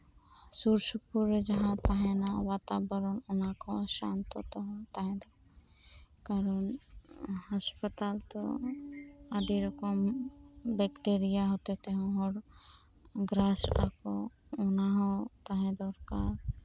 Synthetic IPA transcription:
suɾsupuɾd͡ʒəɦãt̪aɦɛnawaːt̪abəɾɔnʊnakoʃã̰nt̪ot̪ɔɦɔt̪aɦɛ̃d̪a | kaɾɔn | haspət̪alt̪o̰ | ad̪iɾɔkɔm | bɛkʈeɾijaɦot̪et̪eɦɔ̃ɦɔɽ | ɡɾasa̰ko | ʊnaɦɔt̪aɦɛ̃d̪ɔɾka̰ɾ

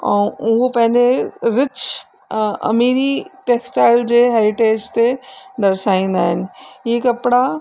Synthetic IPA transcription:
ɔːʊopɐ̃ɦɪ̃ɲd͡ʒeɾɪt͡ʃ | ɐ̰miːɾiʈeːksʈaːɪld͡ʒeɦɛːɾɪʈeːd͡ʒt̪ed̪ɐɾsaːĩːnd̪aːɦɪnɪ̆jekɐpɽa

